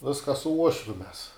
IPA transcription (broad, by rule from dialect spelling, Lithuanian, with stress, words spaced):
ˈʋʲɪskɐ sʊ ˈuɔʃʲʋʲʊ mʲɛs